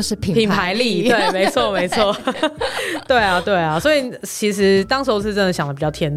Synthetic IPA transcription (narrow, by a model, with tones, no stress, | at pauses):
ʂ̩˥˩pʰpʰi˨˩npʰa˧˦ɪli˥˩t̪we˥˩ɪme˨˧˥ɪt͡sʰwɔ˥˨me˧˦ɪt͡sʰwɔ˥˨ | t̪we˥˩ɪa˨t̪we˥˩ɪa˩swɔ˧˥i˨t͡ɕʰi˧˥ʂ̬ɻ̩˧˦t̪ɑ˥ŋʂo˧˥ʊt͡s̩ʰ˥˧ʈ͡ʂə˥nd̪ə˩ɕjɑ˨˩dəpi˨˩t͡ɕɑ˥˩ʊt̪ʰjɛ˧˥n